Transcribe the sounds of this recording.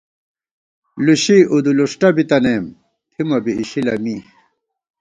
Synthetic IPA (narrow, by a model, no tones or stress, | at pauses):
luɕiʔud̪uluʂʈɐbit̪ɐneːm | t̪ʰimɐbiːɕilɐmi